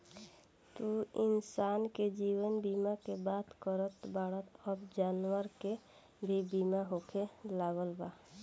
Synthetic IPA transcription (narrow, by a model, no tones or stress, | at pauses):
t̪uɪnsaːnked͡ʒiwənbimakebat̪kəɾət̪baɽət̪əbd͡ʒanwəɾke | bʱibimaɦokʰelaɡəlba